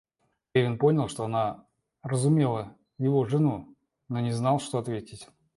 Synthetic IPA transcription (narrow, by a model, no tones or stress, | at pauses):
evʲɪnpo̞nʲɪlˠʂt̪oɐna | rəzʊmʲe̞lˠə | jɪvo̞ʐɨnu | no̞nʲɪznɑlˠʂt̪o̞ɐt̪vʲetʲɪtʲ